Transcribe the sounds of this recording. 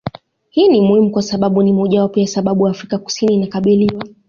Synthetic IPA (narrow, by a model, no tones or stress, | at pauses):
hiːnimuhimukwasaɓaɓunimɔʄawapɔjasaɓaɓujaːfɾikaku̥siniːnakaɓiliwa